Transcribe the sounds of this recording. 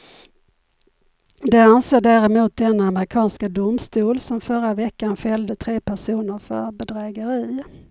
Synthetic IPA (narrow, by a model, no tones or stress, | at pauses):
d̪ɛanseːɖæːɾɛmuːt̪̚d̪ɛnːaaməɾɪkʰɑːnskad̪ʊmst̪uːlsɔmfœɾavɛkːanfɛld̪ət̪ʰɾeːpʰæʂuːnəɾfœ̰ɾbɛd̪ɾɛːɡəɾiː